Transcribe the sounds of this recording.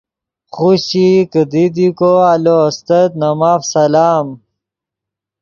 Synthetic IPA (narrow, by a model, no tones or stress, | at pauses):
χuɕikəd̪id̪ikoaloɐst̪ɐt̪nɐmaːfsɐlaːm